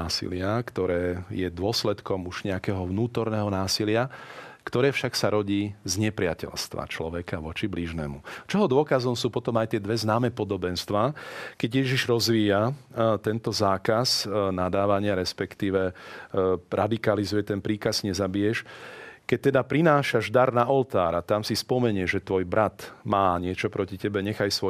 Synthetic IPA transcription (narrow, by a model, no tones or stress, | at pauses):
aːsḭlɪakt̪ɔɾɛːjɛd̪ʊɔslɛt̪kɔmuʒ̥ɲɛakɛːɦɔʋnuːt̪ɔɾnɛːɦɔnaːsilɪakt̪ɔɾɛːfʃaksaɾɔɟiːzɲɛpɾɪacɛ̰lst̪ʋa̰t͡ʃlɔʋɛkaʋɔt͡ʃibliʒnɛ̰ːmut͡ʃɔɦɔd̪ʊɔkazɔmsuːpɔt̪ɔmajt̪ɪɛd̪ʋɛznaːmɛːpɔd̪ɔbɛnst̪ʋaːkɛɟjɛʒiʒɾɔzʋiːjat̪ɛnt̪ɔzaːkasnad̪aːʋaɲɪaɾɛspɛkt̪iːʋɛ | ɾad̪ikalizujɛt̪ɛnpɾiːkazɲɛzabijɛʃkɛc̚t̪ɛd̪apɾinaːʃaʒd̪aɾnaʔɔlt̪aːɾat̪amsispɔmɛɲɪɛʒɛt̪ʋɔjbɾat̪maːɲɪɛt͡ʃɔpɾɔcicɛbɛɲɛxajsʋɔ